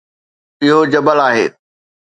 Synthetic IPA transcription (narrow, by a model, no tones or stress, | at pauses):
ɪɦod͡ʑɐbəlaːɦḛː